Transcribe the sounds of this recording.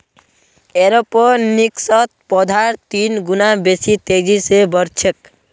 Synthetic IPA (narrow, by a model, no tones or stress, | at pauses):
eɾɔpɔɾniksɔt̪̚pɔd̪ʱaɾt̪inɡunabesit̪ed͡ʑisebɔɾt͡ʃʰek